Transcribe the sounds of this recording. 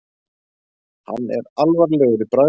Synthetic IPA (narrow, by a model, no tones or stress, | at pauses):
ha̰nːɛ̰ɾalvaɾlɛːɣʏɾɪpɾa